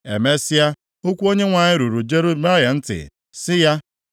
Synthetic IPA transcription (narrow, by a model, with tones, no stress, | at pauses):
ḛ˨me˦si˦a˦ | o˦kʷu˦o˦ɲe˦ŋʷa˨ɲɪ˦ɾu˨ɾu˨d͡ʒe˦ɾu˦ma˦ɦe˨n̩˦tɪ̰˨ | sɪ˦ja˦